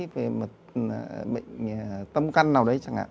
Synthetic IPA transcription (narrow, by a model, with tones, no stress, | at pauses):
ve˨˩mo˨˩t̚ɓə̰˧˨jŋ̟˨˩t̪ə˧mka˧jŋnaː˨˩wɗə˨˦jt͡ɕa˨˧˩ŋʔa̰ː˧˨